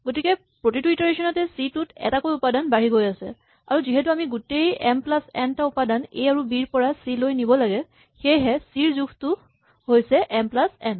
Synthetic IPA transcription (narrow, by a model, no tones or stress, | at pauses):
ɡotikɛ | pɹotitwitɔɹeʃɔnɔtɛsitutɛ̰takojʊpadanbaɹiɡojasɛ̰ | a̰ɹuziɦɛtuamiɡutejɛmplasɛ̰ntaʊpadanḛjaɹubiɹpɔɹasilojnibɔlaɡɛ | xejɦɛsiɹzuɡʰtʊ | ɦojsɛʔɛmplasɛn